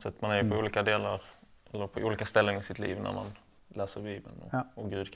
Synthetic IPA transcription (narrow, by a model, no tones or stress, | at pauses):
t̪sɛt̪ːmanæɾjʉpʰɔuːliːkad̪eːlaɾ | ʔɛlːəɾpʰɔʔuːliːkast̪ɛlːənɪsɪt̪lḭːvnʔæ̰ɾma̰n | læːsəɾbiːbəlnɔ̰ɔɡʉ̟ːd̪kʰ